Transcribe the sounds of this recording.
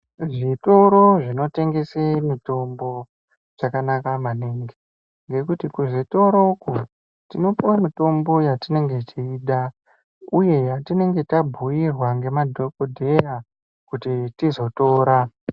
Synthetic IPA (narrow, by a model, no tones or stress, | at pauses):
ʐito̞ɾoʐino̞te̞ŋɡe̞semito̞mbo̞ | d͡ʒakanakamaneŋɡe | ŋɡe̞kutikuʐito̞ɾoku | tino̞powamito̞mbo̞jatine̞ŋɡe̞tʰiːɗa | uje̞jatine̞ŋɡe̞tabʱujirwaŋɡe̞madʱokodʱe̞ja | kutitizo̞to̞ːɾa